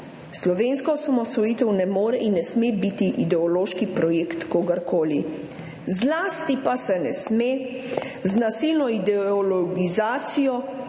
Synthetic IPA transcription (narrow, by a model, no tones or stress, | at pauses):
slɔʋeːnskɔsamɔsɔjiːt̪ɛwnɛmoːɾɛʔinːɛsmebit̪iʔid̪ɛɔloːʃkipɾɔjeːkt̪koːɡaɾkoːli | zlaːst̪ipasɛnɛsmeː | znasilnɔid̪ɛɔlɔɡizaːt̪sijɔ